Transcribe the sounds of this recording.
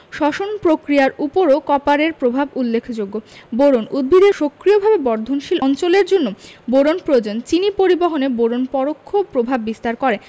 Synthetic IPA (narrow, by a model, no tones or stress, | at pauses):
ʃɔʃonpɾokɾiaɾupoɾokɔpaɾeɾpɾobʱabulːekʰːd͡ʑoɡːoboɾonud̪̚bʱid̪eʃokɾiobʱabebɔɾd̪ʱonʃilɔnt͡ɕoleɾd͡ʑonːoboɾonpɾoed͡ʑont͡ɕinipoɾibɔɦoneboɾonpɔɾokʰːopɾobʱabːist̪aɾkɔɾe